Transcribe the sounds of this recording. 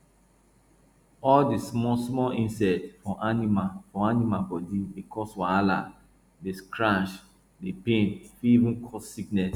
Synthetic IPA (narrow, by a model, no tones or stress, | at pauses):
ɔldismɔsmɔlĩnsɛtfɔʔanimafɔanimabɔdidekʰɔswaala̰ | deskɹãʃ | depẽntfiivũnkʰɔsːiknɛs